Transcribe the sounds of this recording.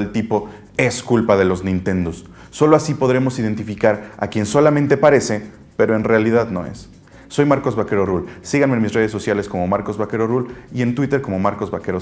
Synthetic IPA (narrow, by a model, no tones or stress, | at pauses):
elt̪ipo̞ | e̞skulpað̞e̞lo̞znĩnt̪e̞nd̪osː | o̞loasipo̞ðɾe̞mo̞sið̞e̞nt̪ifikaɾa̰kje̞nso̞lamẽnt̪e̞paɾe̞se̞ | pe̞ɾo̞e̞nrealiðaðno̞̰e̞̰sː | o̞jmaɾko̞zβake̞ɾo̞rulsiɣanmenmisre̞ð̞e̞sːo̞sjale̞sko̞mo̞maɾko̞zβake̞ɾo̞rulie̞nt̪wit̪e̞ɾko̞mo̞maɾko̞zβake̞ɾo